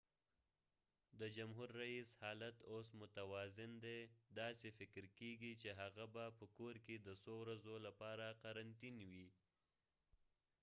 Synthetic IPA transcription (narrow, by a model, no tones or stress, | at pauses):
d̪əd͡ʒamɦuɾːaishɑlat̪osmʊt̪awɑzɪnd̪ed̪ɑsefɪkɾkeɡit͡ʃeɦaɣabapəkoɾked̪əsowɾazolapɑɾaqaɾant̪inwi